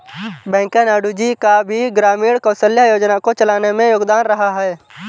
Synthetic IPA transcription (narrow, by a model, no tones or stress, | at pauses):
bɛ̃ːŋkenaːɖud͡ʒikabʱiɡɾaːmiːɽkə̃ːsəljajoːd͡ʒnakot͡ʃɐlaːnemẽjoːɡd̪aːnɾɐɦaɦɛː